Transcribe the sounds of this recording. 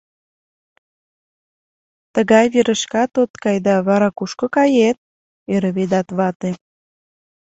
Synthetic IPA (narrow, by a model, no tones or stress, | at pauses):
t̪əɣɑjβeɾəʃkɑt̪ot̪kɑjd̪ɑβɑɾɑkuʃkokɑjet̪̚ | eɾə̆βed̪ɑt̪βɑt̪e